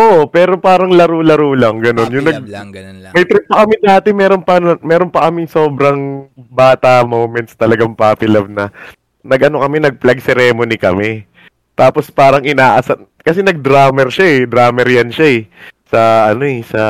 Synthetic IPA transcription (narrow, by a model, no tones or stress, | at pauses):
ʔopɛːɾo̞paːɾɐŋlɐɾolɐɾoːlɐŋɡɐno̞njʊŋnɐɡ̚mɐjt̪ɾɛpɐkɐmɪd̪aːt̪ɪmɛːɾonpɐnɐmɛːɾo̞npɐkɐmɪŋso̞ːbɾɐŋbaːt̪ɐmowmɛnt̪st̪ɐlɐɡaŋpapɪlɐb̚nɐ | nɐɡʔɐno̞kɐmɛnɐɡ̚plɐɡsɛɾɛːmonikɐ̰mɛ | t̪aːpo̞spaːɾɐŋʔɪnaːʔɐsɐn | kɐsɛnɐɡ̚d̪ɾaːmɛɾʃaɛd̪ɾaːmɛɾjɐnʃaɛsɐʔɐno̞ɛsɐ